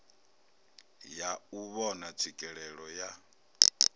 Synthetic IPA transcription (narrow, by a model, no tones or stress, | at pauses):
jauβɔnat͡sʰikʼɛɺɛɺɔja